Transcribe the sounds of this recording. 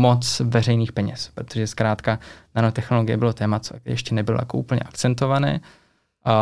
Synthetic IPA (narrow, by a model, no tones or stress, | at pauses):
mot͡svɛrɛjniːxpɛɲɛspɾot̪oʒɛskɾaːt̪kananot̪ɛxno̞lo̞ɡɪjɛbɪlo̞t̪ɛːmat͡sojɛʃcɛnɛbɪloja̰koʔuːpl̩ɲɛ̰ʔakt͡sɛnt̪o̞vanɛ̰ː